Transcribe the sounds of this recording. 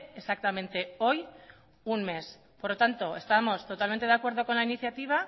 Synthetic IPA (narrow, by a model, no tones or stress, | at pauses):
esak̚t̪amẽnt̪e̞o̞j | unme̞s | poɾlot̪ant̪o̞e̞st̪amo̞st̪o̞t̪alment̪eakwe̞ɾð̞o̞ko̞nlainiθjat̪iβ̞a